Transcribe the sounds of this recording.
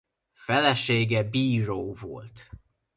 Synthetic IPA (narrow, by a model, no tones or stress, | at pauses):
fɛlɛʃeːɡɛbiːɾoːvo̞̰lt̪